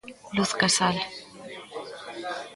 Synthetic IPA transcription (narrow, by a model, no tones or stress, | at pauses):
luθkasal